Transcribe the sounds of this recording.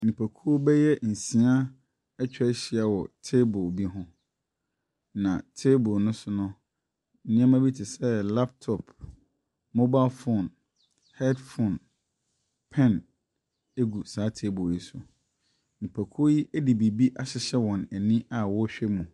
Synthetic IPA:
nĩ˨pʰæ˨kʰu˦o˦bɛ˦jɛ˦n̩˨sĩ˨a˦ | ɛ˦t͡ɕᶣɕɪ˨a˨wɔ˨tʰe˦bo˨bi˦ɦʊ̃˦ | nã̰˨tʰe˦bɔ˨nʊ̃˦sʊ˦nʊ̃˦˨˦ | nɪ̃˦ã˦mã˦bi˦tʰɪ˨sɛ˦la˦p̚tʰɔ˨pʰ | mo˦ba˦lfõ˨n | hɛ˦dfõ˨n | pʰɛ̃˦˨n | e˦ɡu˨saː˨˦tʰe˦bo˨ji˦sʊ˨ | nĩ˨pʰæ˨kʰu˦o˦ji˦ʔæ˦di˨bi˨bi˦ʔa˨ɕɪ˦ɕɛ˦wɔ̃˨næ˨nĩ˦a˨wɔ˦ɕᶣɛ˦mũ˨

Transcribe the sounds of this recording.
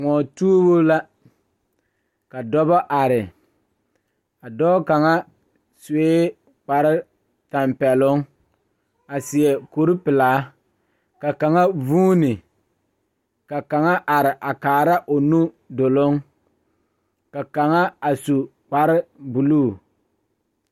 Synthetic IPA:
ŋɔ˨tuː˦bo˦la˦ | ka˨dɔ˦bɔ˦ʔa˨ɾɪ˨ | a˨dɔː˦ka˨ŋa˦ | seː˦ | k͡pa˨ɾɪ˦ | ta˨mpɛ˨lʊ˦ŋ | a˨sɪ˨ɛ˨ko˨ɾi˦pɪ˨laː˨˦ | ka˨ka˨ŋa˦vuː˦nɪ˨ | ka˨ka˨ŋa˦ʔa˨ɾɪ˨ʔa˨kaː˨ɾa˦ʔo˨nu˦ | do˨lʊ˦ŋ | ka˨ka˨ŋa˦a˨su˨k͡pa˨ɾɪ˦bu˨luː˦˨

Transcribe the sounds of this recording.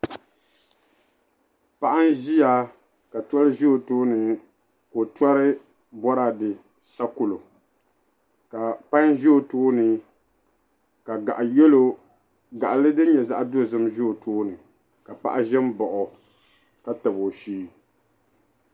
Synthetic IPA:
pa˦ʔa˦n˦ʒi˦ja˦ | ka˨tɔ˦lɨ˦ʒi˦o˨toː˦nɨ˨ | ko˨tɔ˦ɾɨ˦ | bɔ˦ɾa˨dɨ˨ | sa˦kʊ˨lo˨ | ka˨pa˦ɲʒi˦o˨toː˦nɨ˨ | ka˨ɡa̰˨ʔjɛ˦lo˦ | ɡa˨ʔa˨lɨ˦dɨ˦ɲɛ˨za̰˦ʔa˦do˦˨zɨ˦mʒi˦o˨toː˦nɨ˨ | ka˨pa̰˦ʔa˦ʒɛ˦m˦bɔ˨ʔʊ˨ | ka˨tɨ˨bo˨ʃiː˦

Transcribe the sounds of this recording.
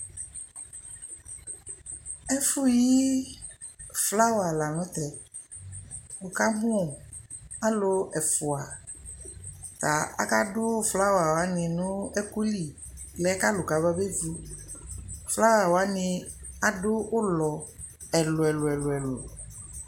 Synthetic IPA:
ɛ˦fu˦ji˦ | fla˦wa˨la˨nɔ̃˨˦t̪ɛ˨ | wo˨ka˦mũ˦˨a˦lo˦ɛ˨fu˨a˨ | t̪a˨a̰˦ka˦dʊ˦fla˦wa˨wa˨˦nɪ̃˨nʊ̃˦ɛ˦ku˦li˨lɛ˨˦ka˦lo˨ka˨bɔ˦be˦vu˦ | fla˦wa˨wa˨˦nɪ̃˧a˨dʊ˦o˦lɔ˨ | ɛ˨lʊ˨ɛ˨lʊ˨ɛ˨lʊ˨ɛ˨lo̰˨

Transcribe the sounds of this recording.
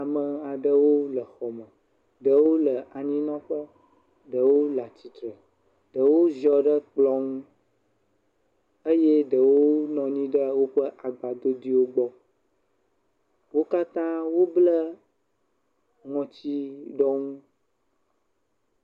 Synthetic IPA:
a˨mə˨a˨ɖə˦wo˦lə˨xɔ˨mə̃˨ | ɖə˨wo˦lə˨ʔa˨ɲĩ˦nɔ̃˦ɸə˦ | ɖə˨wo˦la˨t͡ɕi˨t̪ɾə˨ | ɖə˨wo˦zɔ˦ɖə˦k͡plɔ˦ŋũ˦ | ə˦je˦ɖə˨wo˦nɔ̃˨ɲĩ˦ɖə˦wo˦ɸə˦ʔa˨ɡ͡ba˨d̪o˦d̪i˦wo˦ɡ͡bɔ˦ | wo˦ka˦t̪ã˦wo˦blə˦ | ŋɔ̃˨t͡ɕi˦ɖɔ˦ŋũ˦

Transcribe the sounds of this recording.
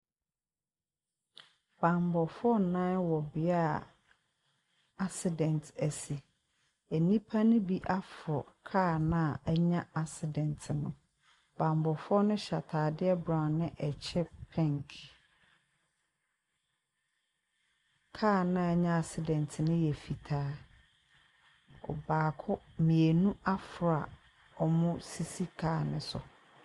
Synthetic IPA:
b̥ã˨mbɔ˨fʊ˦ɔ˦˨nã˦wɔ˨bɪ˨a˦ | a˦sɪ˨dɛ̃˨ntʰæ˨si˨ | ɛ˨nĩ˦pʰa˦nʊ̃˦bi˦ʔa˦fɔ˨kʰaː˦˨nã˦˨ɛ˦ɲã˦a˨sɪ˨dɛ̃˨ntʰɪ˨nʊ̃˨ | b̥ã˨mbɔ˨fʊ˦ɔ˦nʊ̃˦ɕa˨tʰaː˨dɪ˦ɛ˦bɾã˨nɪ̃˦ʔɛ˨t͡ɕʰɛ˦pʰɛ̃˦ŋkʰ | kʰaː˦˨nã˦˨˦ɲã˦a˨sɪ˨dɛ̃˨ntʰɪ˨nʊ̃˦jɛ˨fi˨tʰaː˨˦ | ɔ̰˨baː˨kʰʊ˦mĩ˨e˨nũ˦a˦fɾɔ˨a̰˨ | ɔ˨mʊ̃˦si˦si˦kʰaː˦˨nɪ̃˦sʊ̰˨

